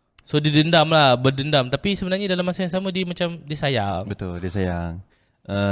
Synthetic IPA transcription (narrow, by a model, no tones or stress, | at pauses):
sodidəndamlahbərdəndamt̪apisəbənarɲadalamːasajaŋs̬amadimat͡ʃamdisajaŋbət̪ʊldisajaŋ | ʔə